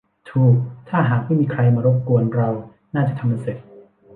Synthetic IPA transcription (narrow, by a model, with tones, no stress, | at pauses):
t̪ʰuː˨˧˩k̚t̪ʰaː˥˩ɦaː˨˩k̚ma˥˩jmiː˧kʰɾa˧jmaː˧ɾo˦˥p̚ku˧ənɾa˧w | naː˥˩t͡ɕa˨˩˨t̪ʰa˧mːa˧˩se˨˩t̚